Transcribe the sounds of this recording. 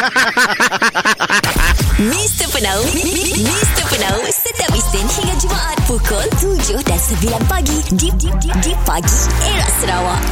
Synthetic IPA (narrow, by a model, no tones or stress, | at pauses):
mĩst̪əpənawmĩst̪əpənawsət̪iap̚isɪnhiŋat̪̚d͡ʒumaʔat̪̚pukɔlk̪ud͡ʒʊhdansəbilanpaɡididididipaɡieɾaʔsəɾawaʔ